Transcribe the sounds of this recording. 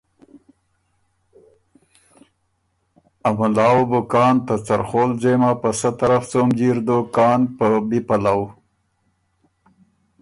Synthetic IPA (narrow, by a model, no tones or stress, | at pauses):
amʊlɑːwbʊkɑːnt̪at͡saɾχoːlzemapəsət̪aɾaft͡somd͡ʒiɾd̪okɑːnpəbipalaw